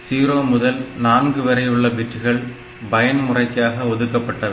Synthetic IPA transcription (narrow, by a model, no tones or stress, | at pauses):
siːɾoːmʊðɐlnaːnɡɯʋɐɾɐjɯɭːɐbɪʈːɯɣɐɭ | bɐjɐnmʊrɐɪkːaːɣɐɔðɯkːɐpːɐʈːɐ